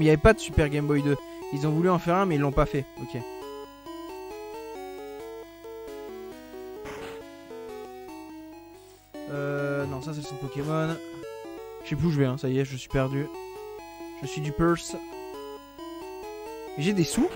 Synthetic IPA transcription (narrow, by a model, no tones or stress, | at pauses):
iljavɛpad̪əsypɛʁɡʲɛmbɔjd̪əilzɔ̃vulyɑ̃fɛʁɛ̃mɛilːɔ̃pafɛokʲe | ønɔ̃sas̬ɛsɔ̃kɔkʲemɔn | ʃep̬uʒəvɛɛ̃sajɛʒəsɥipɛʁd̪y | ʒ̥əsɥid̪ypɛʁs | eʒed̪esu